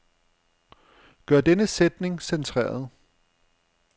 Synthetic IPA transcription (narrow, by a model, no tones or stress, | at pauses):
ɡ̥ɶɐ̰d̥enəsed̥ne̝ŋsent͡sʰʁɛ̰ːɐð̞ˠ